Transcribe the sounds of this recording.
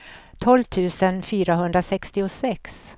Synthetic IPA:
t̪ʰɔlvt̪ʰʉ̟ːsənfyːɾaɦɵnd̪ɾasɛkst̪ɪʊsɛks

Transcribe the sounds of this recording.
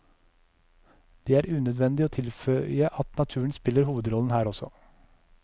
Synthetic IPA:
d̪̥ɛːæːɾʉːnœd̪ʋɛnd̪ɪoːt̪ʰɪlfœʏəʔɑt̪nɑt̪ʰʉːəɳ̩spɪlːəɾhuːʋəd̪ɾɔln̩hæːɾɔsɔ̰

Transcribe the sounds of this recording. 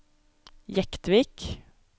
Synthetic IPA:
jɛkt̪ʋiːk

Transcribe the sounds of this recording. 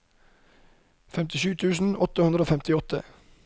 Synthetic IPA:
fɛmt̪ɪʃʉːt̪ʰʉːsn̩ɔt̪əhʉnd̪ɾəoːfɛmt̪ɪɔt̪ʰə̰

